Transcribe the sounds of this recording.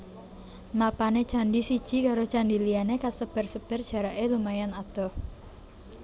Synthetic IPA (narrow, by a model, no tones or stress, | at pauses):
mapanet͡ʃandisid̥ʒ̥i̤kaɾot͡ʃandilianekasəb̥ərsəb̥ɛrd̥ʒ̥a̤ɾaʔelumajanat̪ɔh